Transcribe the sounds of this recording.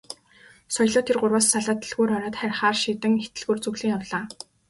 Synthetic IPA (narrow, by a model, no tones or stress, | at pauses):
sɔjɮʊːt̪ʰːerɢʊrwaːsːaɮaːt̪iɮɣuːɾɔɾɔːt̪χærʲχaːrʃiːt̪ɘ̆ŋet̪ɘ̆ɮɣuːrt͡sɵɣɮiːŋjawɮaː